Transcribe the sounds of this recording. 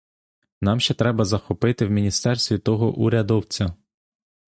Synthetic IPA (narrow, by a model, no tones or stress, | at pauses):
nɑmʃt͡ʃɛt̪ɾɛbɐzɐxɔpɪt̪ɪwmʲinʲist̪ɛrst̪ʋʲit̪ɔɦɔʔuɾʲɐd̪ɔwt͡sʲɐ